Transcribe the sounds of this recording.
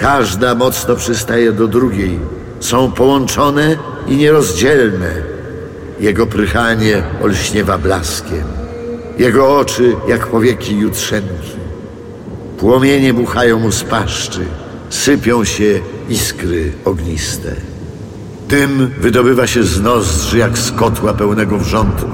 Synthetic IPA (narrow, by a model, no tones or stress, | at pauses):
kaʐd̪amɔt̪snɔpʂɨst̪ajɛd̪ɔd̪ɾuɡʲej | sɔ̃w̃pɔwɔnt͡ʂɔnɛ | iɲɛɾɔzd͡ʑɛlnɛ | jɛɡɔpɾɪxaɲɛɔ̰lɕɲɛvablaskʲɛm | jɛɡɔɔt͡ʂɘjakpɔvʲjɛkʲijut̪ʂɛnkʲi | pwɔmʲjeɲɛbuxajɔ̃w̃muspaʂt͡ʂɘ | sɘpʲjɔ̃w̃ɕɛiskɾɘɔɡɲist̪ɛ̰ | d̪ɘmvɘd̪ɔbɘvaɕɛznɔzd̪ʐɨjakskɔt̪wapɛwnɛɡɔvʐɔnd̪u